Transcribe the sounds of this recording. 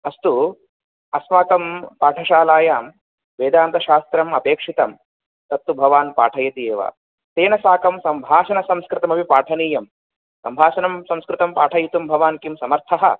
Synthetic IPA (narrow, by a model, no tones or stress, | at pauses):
ɐst̪u | ɐsʋaːkɐmpaːʈʰɐʃaːlaːjaːm | ʋeːd̪aːnt̪ɐʃaːst̪ɾɐmɐpeːkʂit̪ɐm | t̪ɐt̪ːubʱɐʋaːnpaːʈʰɐjɐt̪ijeːʋa̰ː | t̪eːnɐsaːkɐmsɐmbʱaːʃɐnɐsɐmskɾɪt̪ɐmɐʋipaːʈʰɐniːjɐm | sɐmbʱaːʃɐnɐmsɐ̃mskɾɪt̪ɐmpaːʈʰɐjit̪umbʱɐʋaːnkimsɐmɐɾt̪ʰɐɦɐ̰